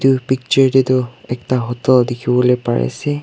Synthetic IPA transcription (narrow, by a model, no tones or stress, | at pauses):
tupik̚t͡ʃɔɹditʊɛktaɦɔtɔldikʰibɔlojpa̰ɹɛ̰sɛ